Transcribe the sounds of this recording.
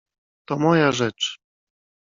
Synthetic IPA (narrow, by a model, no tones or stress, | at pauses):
t̪ɔmɔjaʐɛt͡ʂ